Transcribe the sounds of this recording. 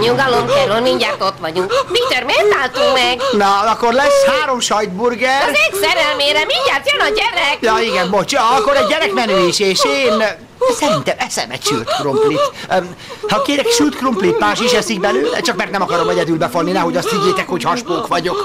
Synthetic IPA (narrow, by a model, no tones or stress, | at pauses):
ɲuŋɡɒlonkɛɾolmiɲɟaːrt̪ot̪ʋɒɟuŋkpit̪ørmet̪aːlt̪uŋmɛɡnɒɒkːorlɛshaːɾo̞mʃɒjd̪burɡɛreːksɛɾɛlmeːɾɛmiɲɟaːrt̪jønɒɟɛɾɛkjɒiɡɛmbot͡ʃɒkːoɾɛɟɟɛɾɛkmɛneːʃeːʃeːn | sɛɾint̪ɛmɛsɛ̰mɛ̰cʃy̰lt̪kromplit̪ | hɒkeːɾɛkʃylt̪kromplit̪maːʃiʃɛsik̚bɛløːlɛ̰t͡ʃɒkmɛrt̪ɛmɒkɒɾomɛɟɛd̪ylbɛfolːinɛɦoɟɒst̪hiɟːeːt̪ɛkho̞chɒʃpoːkʋɒɟo̞k